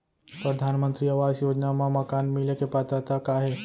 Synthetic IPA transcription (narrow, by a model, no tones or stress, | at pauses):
pɾɐd̪ʱaːnmə̃nt̪ɾiɐʋaːzjoːd͡ʒnamãmɐkaːnmɪlekepat̪at̪akaːɦe